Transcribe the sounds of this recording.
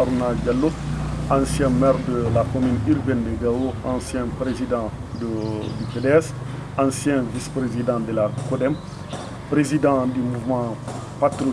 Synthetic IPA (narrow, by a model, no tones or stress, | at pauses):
aɾunaɟalːoãsjɛ̃mɛːɾdəlakomynyɾbɛndeɡawoãsjɛ̃pɾezidɑ̃ | dədyfedɛs | ãsjɛ̃vispɾezidɑ̃dəlakodɛm | pɾezidɑ̃dymuvmɑ̃ | pat̪ɾo